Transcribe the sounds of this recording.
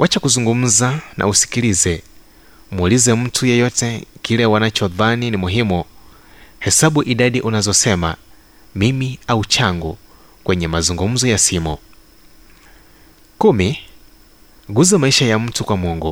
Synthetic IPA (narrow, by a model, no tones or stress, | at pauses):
wʔat͡ʃakuzuŋɡum̩zanʔa̰usi̥kilizɛ | muulizɛm̩tʰujɛjɔtɛkilɛwanat͡ʃɔðaninimuɦimu | hɛsaɓuʔiɗaɗiʔunazɔsɛma̰ | mimiaut͡ʃʰaŋɡɔ | kwɛɲɛmazuŋɡum̩zɔjasiːmɔ | kumi | ɡuzɛmaiʃajam̩tʰukwamɔːŋɡɔ